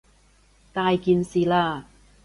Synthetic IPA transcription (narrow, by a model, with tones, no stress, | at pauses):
t̪aː˨˧jkiː˨˧nsiː˨laː˧